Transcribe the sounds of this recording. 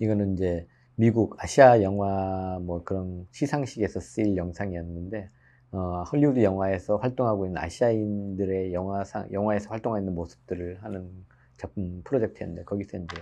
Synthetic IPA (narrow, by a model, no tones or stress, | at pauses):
iɡʌnɯnind͡ʑe̞ | miɡuɡaɕʰiajʌŋɦwamwʌkɯɾʌnɕʰisʰaŋɕʰiɡe̞sʰʌs͈ɯiɭjʌŋsʰaŋijʌnːɯnde̞ | ʌhʌʎːiudujʌŋwae̞sʰʌɸwaɭt͈oŋɦaɡoinːɯna̰ɕʰiaindɯɾe̞jʌŋɦwasʰa̰ŋjʌŋwae̞sʰʌɸwaɭt͈oŋɦainːɯnmosʰɯ̥p̚t͈ɯɾɯɭhanɯn | t͡ɕap͈ʰɯmpʰɯɾod͡ʑe̞k̚tʰenɯndekʌɡis͈ʰennde